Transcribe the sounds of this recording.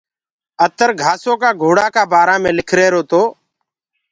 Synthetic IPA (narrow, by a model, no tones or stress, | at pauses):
ət̪əɾɡʱaːsoːkaːɡʱoːɽaːkaːbaːɾaːmẽːlɪkʰɾeːɾoːt̪oː